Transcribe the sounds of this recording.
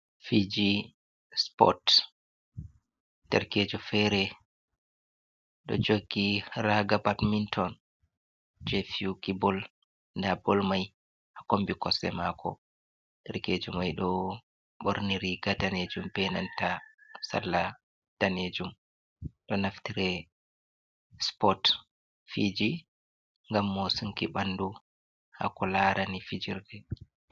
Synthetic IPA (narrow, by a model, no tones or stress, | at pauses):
fid͡ʒi | spɔ̰t | d̥ɛɾkeːd͡ʒufɛɾɛ | ɗɔ̰d͡ʒoɡːiɾaɡabatmintʰɔn | d͡ʒɛfiukibɔl | ndabɔlmaj | ʔakombikɔsɛ̰makʰɔ̰ | ɗɛɾked͡ʒumajɗɔ | ɓoɾniɾiɡadaned͡ʒumbɛnantasa̰lːa | d̥aned͡ʒum | ɗɔnaftiɾɛ | spɔt | fid͡ʒi | ŋɡamːosuŋkiɓandu | ha̰kɔlaɾanifid͡ʒiɾdɛ